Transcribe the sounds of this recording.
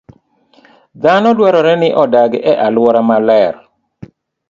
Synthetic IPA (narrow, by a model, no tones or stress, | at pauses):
d̪anɔdwaɾɔɾɛnɪʔɔdaɡɛʔalwɔɾamalɛɾ